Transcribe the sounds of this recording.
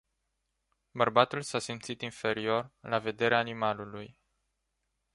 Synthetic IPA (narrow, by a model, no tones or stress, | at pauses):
bərbat̪ulsasimt̪sit̪infe̞ɾio̞rlave̞d̪e̞ɾeaːnimaluluj